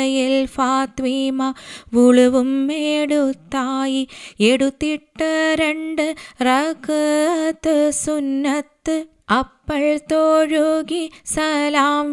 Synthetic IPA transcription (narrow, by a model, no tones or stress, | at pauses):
ɐjɪlpaːt̪ʋiːmaʋʊɻʊʋɯmːeːɽut̪ːaːjiɛɽut̪ːiʈːɐɾɛɳɖɯɾɐkɐt̪ːɯsʊnːɐt̪ːɯ | ʔɐpːɐɭt̪oːɻuɣisɐlaːm